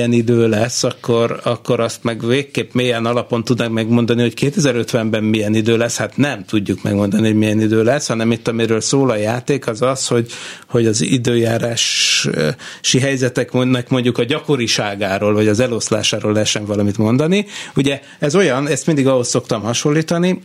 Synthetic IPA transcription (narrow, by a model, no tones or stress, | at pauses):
ɛnid̪øːlɛsːɒkʰːo̞ɾɒkːo̞ɾɒst̪mɛɡveːkːeːpmeːjɛnɒlɒpo̞nt̪ud̪nɒkmɛɡmo̞nd̪ɒniho̞ckeːt̪ɛzɛɾø̞t̪ʋɛmbɛmmijɛnid̪øːlɛshat̪nɛmt̪uɟːukmɛ̰ɡmo̞nd̪ɒniho̞ɟmijɛnid̪øːlɛshɒnɛmit̪ːɒmiɾøːlsoːlɒjaːt̪eːkɒzɒsho̞ɟho̞ɟɒzid̪øːjaːɾaːʃ | ʃiɦɛjzɛt̪ɛkmonɛkmo̞ɲɟukɒɟɒko̞ɾiʃaːɡaːɾoːlvɒɟɒzɛlo̞sla̰ːʃaːɾoːlːɛɦɛt̪ʃɛɱvɒlɒmit̪mo̞nd̪ɒniuɟɛ | ɛzo̞jɒnɛst̪mind̪iɡɒɦo̞sːo̞kt̪ɒmhɒʃolːiːt̪ɒni